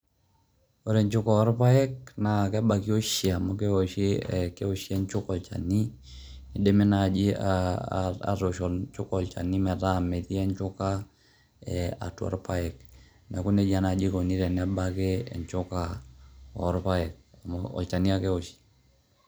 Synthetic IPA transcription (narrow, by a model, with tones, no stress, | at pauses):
o˨ɾɛ˨ɲt͡ʃʊ˦ka˨ɔ˦ɾpa˦ɛ˦kna˨kɛ˦ba˨ki˦o˦ʃi˨a˨mɔ˦kɛ˦o˨ʃi˦ɛ̰˨ke˦o˨ʃi˦ɛ˦ɲt͡ʃʊ˦kɔ˨lt͡ʃa̰˨ni˦ | ne˨de˦me˦na˨d͡ʒi˦ | a̰˨ɾo˨ʃɔ˨lt͡ʃʊ˦kɔ˨lt͡ʃa̰˨ni˦mɛ˨ta˦˨mɛ˨ti˦ɛ˦ɲt͡ʃʊ˦ka˦ | ɛa̰˨twɔ̰˨ɾpa˦ɛ˨k | na˨ku˦ne˦d͡ʒa˦na˨d͡ʒi˦ko˨ni˦ɾɛ˨nɛ˦ba˦ke˦ɛ̰˨ɲt͡ʃʊ˦ka˨ | ɔ˦ɾpa˦ɛ˨k̚a˨mɔɔ̰˨lt͡ʃa˨ni˦a˦kɛ˦o˨ʃi̥˦